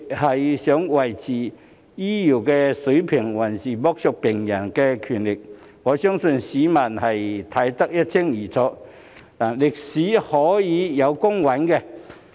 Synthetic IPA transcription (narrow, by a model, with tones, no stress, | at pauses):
hɐ˨jsœː˨˥ŋwɐ˨˩jt͡siː˨˩ | jiː˥jiː˨˩wkɛː˧sɵ˨˥ɥpʰɪ˨˩ŋwɐ˨˩nsiː˨mɔː˧˥k̚sʰɔ˧k̚pɪ˨˩ŋjɐ˨˩nkɛ˧kʰyː˨˩nlɪ˨˩k̚ | ŋɔː˨˧sœː˥ŋsɵ˧nsiː˨˥mɐ˨˩nhɐ˨jt̪ʰɐ˨˥jt̪ɐ˥k̚jɐ˥t̚t͡sʰɪ˥ŋjiː˨˩t͡sʰɔː˧˥ | naː˨˩lɪ˨k̚siː˨˥hɔː˨˥jiː˨˧jɐ˨˧wkʊ˥ŋwɐ˨˥nkɛ˧